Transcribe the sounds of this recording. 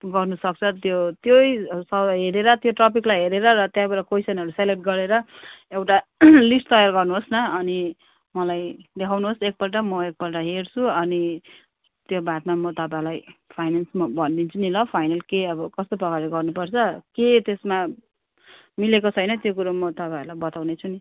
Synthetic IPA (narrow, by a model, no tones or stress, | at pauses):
ɡʌrnusʌk̚t͡sʰʌt̪jot̪jojsʌɦeɾeɾʌt̪joʈrʌpʰiklajɦeɾeɾʌrʌt̪jãbaɾʌkojsʌnʌɾuseleʈ̚ɡʌɾeɾʌewʈalisʈt̪ʌjarɡʌrnuɦosnʌʌni | mʌlajd̪ekʰawnuɦosek̚pʌlʈamʌek̚pʌlʈʌɦert͡sʰuʌni | t̪jobat̪̚mamʌt̪ʌpãlajpʰajnansmʌbʱʌnd̪int͡sʰunilʌpʰajnʌlkeʌbʌkʌst̪oprʌkaɾiɡʌrnupʌrt͡sʰʌket̪esma | milekot͡sʰʌjnʌt̪jokuɾomʌt̪ʌpãɦilajbʌt̪awnet͡sʰuni